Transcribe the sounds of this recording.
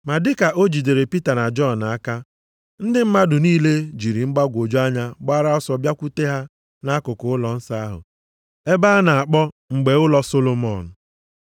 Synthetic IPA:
ma˨dɪ˦ka˨ʔo˦d͡ʒi˨de˨ɾe˨pi˦ta˨na˨d͡ʒɔ˦˨n˨a˦ka˦ | n̩˦dɪ˦m̩˦ma˦dʊ˨niː˦le˦d͡ʒi˨ɾi˨ŋ͡m̩˦ɡ͡ba˦ɡʷo˨d͡ʒo˦a˦ɲa˦ɡ͡ba˦ɾa˦ɔ˦sɔ˨bja˦kʷu˦te˦ɦa˦ | na˦kʊ˨kʊ˨ʊ˦lɔ˨n̩˦sa˦a˦ɦʊ̰˨ | e˦ba˦a˦na˨a˨k͡pɔ˦ | ŋ͡m̩˨ɡ͡be˨ʊ˦lɔ˦so˦lo˦mɔ˨n̩˨

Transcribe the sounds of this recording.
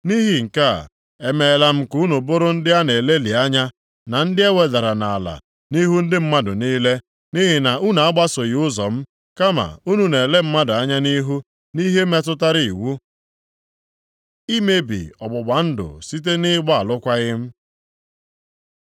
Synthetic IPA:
ni˦ɦi˨ŋ̩˨ka˦˨ | e˨me˨la˨m̩˦ku˦nu˨bʊ˦ɾʊ˦n̩˦dɪ˦a˦ne˨le˦li˨a˦ɲa˦ | na˨n̩˦dɪ˦e˦we˨da˨ɾa˨na˨la̰˨ | ni˦ɦu˦n̩˦dɪ˦m̩˦ma˦dʊ˨niː˦le˦ | ni˦ɦi˨na˨u˦n˨a˦ɡ͡ba˦so˨ɣʊ˦zɔ˨m̩˦ | ka˦ma̰˨u˦nu˨ne˨le˦m̩˦ma˦dʊ˨a˦ɲa˦ni˦ɦu˦ | ni˦ɦe˦me˦t̬ʊ˦ta˦ɾi˨i˨wu˦ | i˦me˦bḭ˨ɔ˨ɡ͡bʊ˨ɡ͡ba˨˦n̩˦dʊ̰˨si˦t̬e˦nɪ˦ɡ͡ba˦a˨lʊ˦kʷa˦ɣɪ˦m̩˦

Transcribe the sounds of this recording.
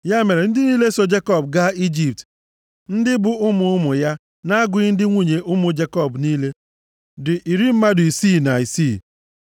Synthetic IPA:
ja˦me˨ɾe˨n̩˦dɪ˦niː˦le˦so˦d͡ʒe˦kɔ˦˨bɡa˦i˦d͡ʒi˨p̚t | n̩˦dɪ˦bʊ˦ʊ˦mʊ˨˦ʊ˦mʊ˨ja˦ | na˦a˦ɡʊ˨ɪ˦n̩˦dɪ˦ŋʷu˨ɲe˨ʔʊ˦mʊ˨d͡ʒe˦kɔ˦˨bniː˦le˦ | dʊ˨ʔi˨ɾi˦m̩˦ma˦dʊ˨i˨siː˦˨na˨i˨si˦˨

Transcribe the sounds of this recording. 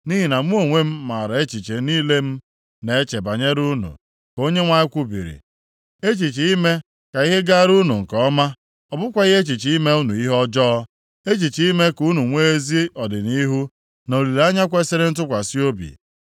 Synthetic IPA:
ni˦ɦi˨na˨m˦o˨ŋʷe˦m̩˦ma˨ɾa˨e˦t͡ʃi˨t͡ʃe˨niː˦le˦m̩˦ | ne˨e˦t͡ʃe˨ba˨ɲe˦ɾu˦nṵ˨ | ko˦ɲe˦ŋʷa˨ɲɪ˦kʷu˦bḭ˨ɾḭ˨ | e˦t͡ʃi˨t͡ʃi˨i˦me˦ | ka˨i˦ɦe˦ɡa˦ɾu˦nu˨ŋ̩˨kɔ˨˦ma˦ | ɔ˨bʊ˦kʷa˦i˦ɦe˦t͡ʃi˨t͡ʃi˨˦i˦me˦u˦nṵ˨i˦ɦɔ˦d͡ʒɔ˦ɔ˦ | e˦t͡ʃi˨t͡ʃi˨i˦me˦ku˦nu˨ŋʷe˦e˦zi˦ɔ˨dɪ˨ni˦ɦu˦ | no˨li˨la˦ɲa˦kʷe˦se˦ɾe˦n̩˦t̬ʊ˦kʷa˨si˦o˦bḭ˨

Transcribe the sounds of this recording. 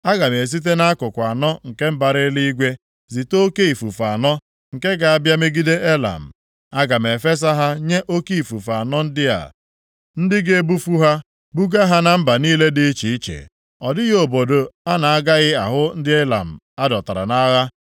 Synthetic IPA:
a˦ɡa˨m˨e˨s̬i˦t̬e˦na˦a˦kʊ˨kʷa˨nɔ˦ŋ̩˨ke˦m̩˦ba˨ɾɪ˦li˦i˦ɡʷe˦ | zi˨to˦ke˦i˨fu˨fa˨nɔ˦ | ŋ̩˨ke˦ɡa˨a˦bja˦me˦ɡi˦de˦ʔe˦la̰˨m̩˨ | a˦ɡa˨m˨e˨fe˦s̬a˦ɦa˦ɲe˦ʔo˦ki˦i˨fu˨fa˨nɔ˦n̩˦dɪ˦a̰˨ | n̩˦dɪ˦ɡe˦bu˦fu˦ɦa˦ | bu˦ɡa˦ɦa˦na˨m̩˦ba˨niː˦le˦dɪ˦t͡ʃi˨i˦t͡ʃḛ˨ | ɔ˨dɪ˦ɣo˨bo˨do˨a˦na˨a˦ɡa˦ɣɪ˦a˨ɦʊ˦n̩˦dɪ˦e˦la̰˨m̩˨ | a˦dɔ˨ta˨ɾa̰˨na˦ɣa˦

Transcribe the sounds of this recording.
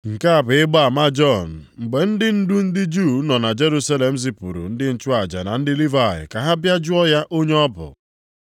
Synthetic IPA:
ŋ̩˨ka˦a˨bɪ˨ɪ˦ɡ͡ba˦a˨ma˦d͡ʒɔ˦˨n̩˨ŋ͡m̩˨ɡ͡be˨n̩˦dɪ˦n̩˦du˦n̩˦dɪ˦d͡ʒu˦˨˦nɔ˨na˨d͡ʒe˦ɾu˦sa˦le˨m̩˦zi˨pṵ˨ɾṵ˨n̩˦dɪ˦n̩˦t͡ʃʊ˦a˨d͡ʒa̰˨na˨n̩˦dɪ˦li˦va˨ɦɪ̰˨ka˨ɦa˦bja˦d͡ʒʊ˦ɔ˦ja˦ʔo˦ɲe˦ɔ˦bʊ̰˨

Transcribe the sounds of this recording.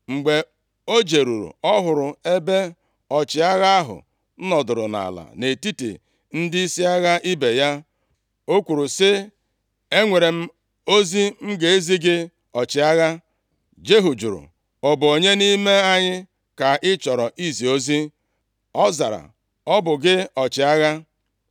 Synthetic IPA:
ŋ͡m̩˨ɡ͡be˨ | o˦d͡ʒe˨ɾu˨ɾṵ˨ɔ˦ɦʊ˨ɾʊ˨e˦be˦ | ɔ˨t͡ʃɪ˨a˦ɣa˦ɦʊ̰˨ | n̩˦nɔ˨dʊ˨ɾʊ̰˨na̰˨la̰˨ne˨ti˦tḭ˨ | n̩˦dɪ˦i˦si˦a˦ɣa˦ʔi˦be˨ja˦ | o˦kʷu˨ɾu˨sɪ˦ | e˦ŋʷe˨ɾe˨m̩˦ | o˦zi˦m̩˦ɡe˨e˦zi˦ɡɪ˦ | ɔ˨t͡ʃɪ˨˦a˦ɣa˦ | d͡ʒe˦ɦu˨d͡ʒu˨ɾṵ˨ | ɔ˨bʊ˨o˨ɲe˦ni˦me˦a˦ɲɪ˦ | ka˨ʔɪ˦t͡ʃɔ˨ɾɔ˨ʔi˦zi˨o˦zi˦ | ɔ˦za˨ɾa̰˨ | ɔ˦bʊ˨ɡɪ˦ɔ˨t͡ʃɪ˨a˦ɣa˦

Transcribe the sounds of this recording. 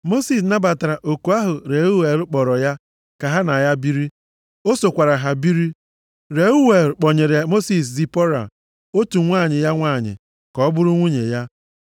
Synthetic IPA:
mo˦si˨s̬na˦ba˨ta˨ɾa˨ʔo˨ku˨a˦ɦʊ˨ɾe˨˦u˦we˨ɾʊ˦k͡pɔ˨ɾɔ˨ja˦ | ka˨ɦa˦na˨ja˦bi˦ɾi˦ | o˦so˨kʷa˨ɾa˨ɦa˨bi˦ɾi˦ | ɾe˨u˦we˨k͡pɔ˨ɲe˨ɾe˨mo˦si˨s̬zi˨pɔ˦ɾa̰˨ | o˦tu˨ŋʷa˦˨ɲɪ˨ja˦ŋʷa˦˨ɲɪ̰˨ | kɔ˦ɔ˦bʊ˦ɾʊ˦ŋʷu˦ɲḛ˨ja˦

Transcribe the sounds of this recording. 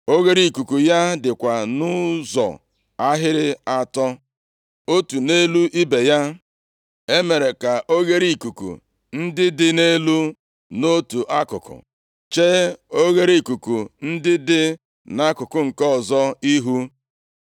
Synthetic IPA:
o˦ɣe˦ɾi˨i˨ku˨ku˨ja˦dɪ˨kʷa˨nʊ˦zɔ̰˨ | a˦ɦɪ˦ɾɪ˦a˦tɔ˦ | o˦tu˨ne˦lu˦ʔi˦be˨ja˦ | e˦me˨ɾe˨ka˨ʔo˦ɣe˦ɾi˨i˨ku˨kṵ˨ | n̩˦dɪ˦dɪ˦ne˦lu˦ | no˦tu˨ʔa˦kʊ̰˨kʊ̰˨ | t͡ʃe˦o˦ɣe˦ɾi˨ku˨ku˨n̩˦dɪ˦dɪ˦ | na˦kʊ˨kʊ˨ŋ̩˨kɔ˦ɔ˨zɔ˦i˦ɦu˦

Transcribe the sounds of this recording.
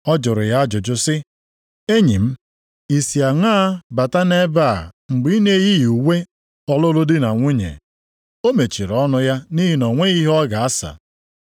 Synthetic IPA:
ɔ˦d͡ʒʊ˨ɾʊ˨ja˦a˦d͡ʒʊ˨d͡ʒʊ˦sɪ˦ | e˦ɲi˨m̩˦ | i˨si˨a˨ŋaː˦ba˨ta˦ne˦ba˦˨ŋ͡m̩˨ɡ͡bi˦ne˦ji˦ju˨we˦ | ɔ˦lʊ˦lʊ˦dɪ˦na˨ŋʷʊ˦ɲḛ˨ | o˦me˨t͡ʃi˨ɾɔ˦nʊ˦ja˦ni˦ɦi˦nɔ˨ŋʷe˦ɣi˦ɦɔ˦ɡa˨a˦sa̰˨

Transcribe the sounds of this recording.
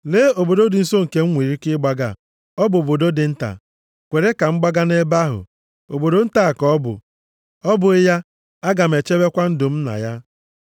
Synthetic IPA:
leː˦o˨bo˨do˦dɪ˨n̩˦so˦ŋ̩˨ke˦ŋ̩˦ŋʷi˨ɾi˦kɪ˦ɡ͡ba˦ɡa̰˨ | ɔ˦bʊ˨o˨bo˨do˦dɪ˨n̩˦ta̰˨ | kʷe˨ɾe˦ka˨ŋ͡m̩˦ɡ͡ba˦ɡa˦ne˦ba˦ɦʊ̰˨ | o̰˨bo˨do˨n̩˦ta˨kɔ˦bʊ̰˨ | ɔ˦bʊ˨ɪ˦ja˦ | a˦ɡa˨m̩˨e˨t͡ʃe˦be˦kʷa˦n̩˦dʊ˨m̩˦na̰˨ja˦

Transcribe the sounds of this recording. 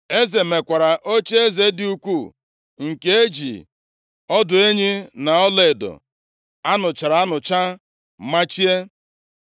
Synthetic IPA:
e˦ze˨me˨kʷa˨ɾa˨ʔo˦t͡ʃe˦e˦ze˨dɪ˦u˦kʷu˦˨ | ŋ̩˨ke˦e˦d͡ʒḭ˨ | ɔ˦dʊ˨e˦ɲi˦na˨ɔ˦le˨e˨dʊ̰˨ | a˦nʊ˨t͡ʃa˨ɾa˨a˦nʊ˨t͡ʃa˦ | ma˦t͡ʃi˦e˦

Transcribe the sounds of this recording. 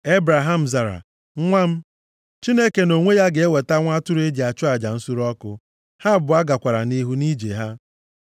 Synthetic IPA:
e˦bɾa˨ɦa˦m̩˨za˨ɾa̰˨˦ | ŋʷa˦m̩˦ | t͡ʃi˦ne˦ke˨no˨ŋʷe˦ja˦ɡe˨e˦we˨ta˦ŋʷa˦tʊ˦ɾe˦d͡ʒi˨a˨t͡ʃʊ˦a˨d͡ʒa˨n̩˦su˦ɾɔ˦kʊ˦ | ha˦˨bʊ˨a˦ɡa˨kʷa˨ɾa̰˨ni˦ɦu˦ni˦d͡ʒḛ˨ɦa˦

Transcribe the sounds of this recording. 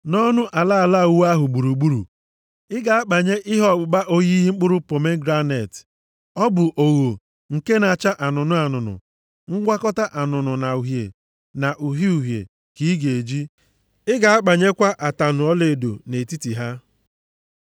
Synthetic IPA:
nɔ˦nʊ˦ʔa˨la˦a˨la˦˨wu˦a˦ɦʊ˨ɡ͡bu˨ɾu˨ɡ͡bu˦ɾṵ˨ | ɪ˦ɡa˨a˦k͡pa˨ɲe˦ʔɪ˦ɦɔ˦˨ɡ͡bʊ˨ba˦ʔo˦ɣi˦ɦi˦ŋ͡m̩˦k͡pʊ˦ɾʊ˦po˨me˦ɡɾa˦ne˨t | ɔ˦bʊ˨ʔo˨ɣo˨ | ŋ̩˨ke˦na˨t͡ʃa˦ʔa˨nʊ˨nʊ˦a˨nʊ˨nʊ̰˨ | ŋ̩˦ɡʷa˦kɔ˦ta˦ʔa˨nʊ˨nʊ˨na˨u˨ɦjḛ˨ | na˨ʔu˨ɦi˦u˨ɦjḛ˨ | ki˨˦ɡe˨e˨d͡ʒi˦ | ɪ˦ɡa˨a˦k͡pa˨ɲe˦kʷa˦ʔa˨ta˨nʊ˨ɔ˦le˨do̰˨ne˨ti˦ti˨ɦa˦

